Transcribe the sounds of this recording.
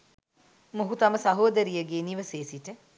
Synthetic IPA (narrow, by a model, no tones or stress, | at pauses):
moɦut̪ɐməsɐɦoːd̪əɾijəɡeːniʋəseːsiʈə